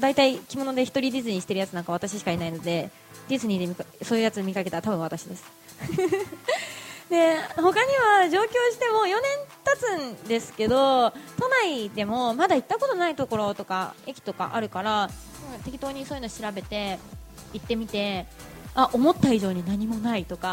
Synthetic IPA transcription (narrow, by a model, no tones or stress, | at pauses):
d̪ait̪aikʲimo̞no̞d̪e̞çi̥t̪o̞ɾʲidʲizɨɲ̟iɕi̥t̪e̞ɾɯ̟jat͡sɨnãŋkaβ̞at̪aɕiɕi̥kainaino̞d̪e̞ | d̪ʲizɨɲ̟id̪emʲikaso̞ːjɯ̟jat͡sɨmʲikake̞t̪at̪abɯ̟̃βat̪aɕid̪e̞sɨ̥ | d̪e̞ho̞kaɲ̟iβaʑo̞ːkʲo̞ːɕi̥t̪e̞mo̞jo̞nẽ̞nt̪at͡sɨ̃nd̪e̞sɨ̥ke̞d̪o̞t̪o̞naid̪e̞mo̞mad̪ait̪ːako̞t̪o̞nait̪o̞ko̞ɾo̞t̪o̞ka̰e̞kʲi̥t̪o̞ka̰ʔa̰ɾɯ̟kaɾa | t̪e̞kʲit̪o̞ːɲ̟isoːjɨnoɕiɾabe̞t̪e̞ | it̪ːe̞mʲit̪e̞ | aʔomo̞t̪ːaiʑo̞ːɲ̟inaɲ̟imo̞nait̪o̞ka